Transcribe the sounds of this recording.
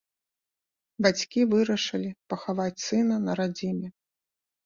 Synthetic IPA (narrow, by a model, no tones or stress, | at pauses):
bat͡sʲkʲivɨɾɐʂɐlʲipɐxavat͡sʲsɨnɐnɐɾad͡zʲimʲɛ